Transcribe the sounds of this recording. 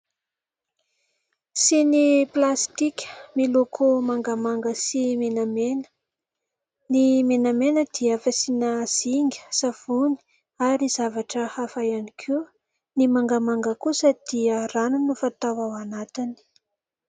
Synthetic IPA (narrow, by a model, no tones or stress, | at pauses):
siniplast̪ikʲə̥milokʰomaŋɡamaŋɡəsimenamen | nimenamenəd̪̥iafasinaz̥iŋɡʲə̥sav̥uni̥ | aɾizavaʈ͡ʂəhafajanikʰu | nimaŋɡamaŋɡəkusəd̪̥iəranunufat̪awawanat̪ini̥